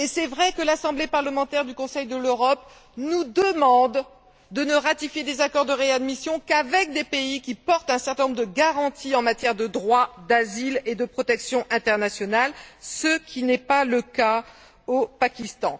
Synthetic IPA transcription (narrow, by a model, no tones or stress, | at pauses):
esɛvʁɛkəlasɑ̃blepaʁləmɑ̃t̪ɛʁd̪ykɔ̃sɛjd̪əløʁɔp | nud̪əmɑ̃d̪ː | ənəʁat̪ifjed̪ezakɔʁd̪əʁead̪misjɔ̃kavɛk̚d̪epeikʲipɔʁt̪ɛ̃sɛʁt̪ɛ̃nɔ̃bʁd̪əɡaʁɑ̃t̪ʰiɑ̃mat̪jɛʁd̪əd̪ʁwad̪aziled̪əpχɔt̪ɛksjɔ̃ʔɛ̃t̪ɛʁnasjɔnalsəkʲʰinɛpaləka | opakʲist̪ɑ̃